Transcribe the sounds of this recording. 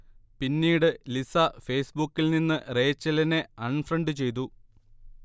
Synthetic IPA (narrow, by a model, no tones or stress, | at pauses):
pinːiːɽɨlisɐfe̞ːsbukːilninːɨre̞ːt͡ɕːɐlɐne̞ɐɳfrɐɳɖɨt͡ɕe̞jt̪̬u